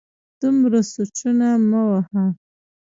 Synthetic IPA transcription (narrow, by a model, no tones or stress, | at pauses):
d̪̥umɾasuʈ͡ʂunamawaha